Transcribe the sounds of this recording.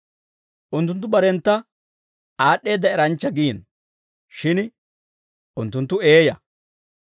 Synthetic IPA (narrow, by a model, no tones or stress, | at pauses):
ʔʊnt̪̬ːʊnt̪ːʊbɐɾɛnt̪ːɐ | aːɗːe̞ːd̪ːɐɛɾɐnt͡ʃːɐɡiːn | ʃɪn | ʊnt̪ːʊnt̪ːʊeːjɐ